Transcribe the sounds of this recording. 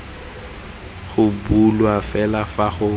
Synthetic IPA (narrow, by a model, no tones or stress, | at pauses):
ɣʊbulwafɛlafaχʊ